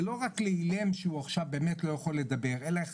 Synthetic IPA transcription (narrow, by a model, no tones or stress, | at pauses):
lo̞ʁakleilemʃeuaχʃavbeːmetlo̞jaχo̞lːe̞d̪abe̞ʁe̞lae